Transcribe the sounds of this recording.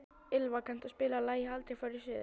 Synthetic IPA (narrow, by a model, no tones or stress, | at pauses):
ɪlvakʰant̪ɔspɪːlalaːjalt̪ɾɛjfœɾɪ̥sɪː